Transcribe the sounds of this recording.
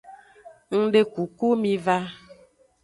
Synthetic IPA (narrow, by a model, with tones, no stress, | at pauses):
ŋ̩˦ɖe˦ku˨ku˦mĩ˦va˦